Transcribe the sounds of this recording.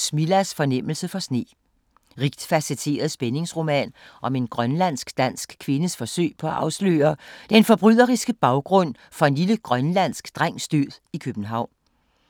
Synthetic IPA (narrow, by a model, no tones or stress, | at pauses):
smilæsfɒ̽nem̰l̩səfɒ̽sne̝̰ː | ʁiɡ̥d̥fæset͡sʰe̝̰ːɐðˠsb̥ene̝ŋsʁo̝mɛ̰ːnʔɒ̽me̝nɡ̥ʁɶnlæn̰sɡ̥d̥æn̰sɡ̥kʰʋe̝nəsfɒ̽sø̰ɪ̰pʰɒ̽æʔɑ̈ʊslø̰ːɐd̥enfɒ̽b̥ʁyð̰ˠɐʁisɡ̥əb̥ɑ̈ʊɡ̥ʁɔ̽n̰ | fɒ̽e̝nliləɡ̥ʁɶnlæn̰sɡ̥d̥ʁaŋ̰sd̥yðˠikʰøb̥n̩ɦɑ̈ʊ̰n